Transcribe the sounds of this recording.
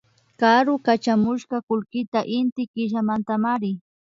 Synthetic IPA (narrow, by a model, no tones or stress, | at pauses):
kaɾʊkat͡ʃamʊʃɢɑkʊlkɪt̪aʔɪnt̪ɪkɪʃamant̪amaɾɪ